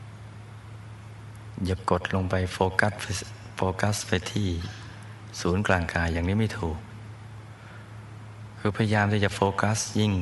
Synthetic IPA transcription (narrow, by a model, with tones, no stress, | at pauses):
ja˨˩ko˨˩t̪̚lo˧ŋpa˧joː˧k̪ | foː˧ka˦˥spa˧t̪ʰiː˥˩ | suː˩˦nklaː˧˩ŋkaː˧jːaː˨˩ŋniː˦˥ma˥˩jt̪ʰuː˨˩k̚ | ɯː˧pʰa˧ja˧jaː˧mt̪ʰiː˥˩t͡ɕa˨˩foː˧ka˦˥sji˥˩ŋ